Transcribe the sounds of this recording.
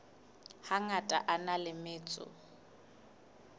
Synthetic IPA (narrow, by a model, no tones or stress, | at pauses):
haŋatʼa̰ʔanalɪmɪːt͡sʼʊ̰